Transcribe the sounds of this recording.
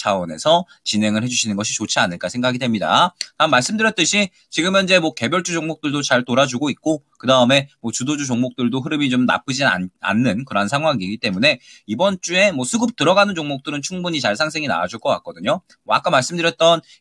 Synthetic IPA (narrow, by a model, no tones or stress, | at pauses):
t͡ɕʰawʌne̞sʰʌ | t͡ɕine̞ŋɯɭhe̞d͡ʑuɕʰinɯnɡʌɕʰit͡ɕot͡ɕʰianɯɭk͈asʰe̞ŋɡaɡidwe̞mɲida̰tamːaɭs͈ɯmdɯɾjʌt͈ɯɕʰi | t͡ɕiɡɯmʌnd͡ʑe̞mwʌke̞bjʌɭt͡ɕ͈ud͡ʑoŋmok̚t͈ɯɭdot͡ɕaɭtoɾad͡ʑuɡoit̚k͈okɯdaɯme̞mwʌt͡ɕudod͡ʑut͡ɕoŋmok̚t͈ɯɭdoɦɯɾɯmit͡ɕomna̰p͈ɯd͡ʑia̰a̰nːɯnkɯɾʌnsʰaŋɦwaŋiɡit͈e̞mune̞ibʌnt͡ɕ͈ue̞mwʌsʰuɡɯp̚t͈ɯɾʌɡanɯnt͡ɕoŋmok̚t͈ɯɾɯnt͡ɕʰuŋbuɲit͡ɕaɭs̬ʰaŋsʰe̞ŋina̰wad͡ʑuɭk͈ʌk͈a̰k͈̚ʌdɯɲo | wa̰k͈amaɭs͈ɯmdɯɾjʌt̚t͈ʌn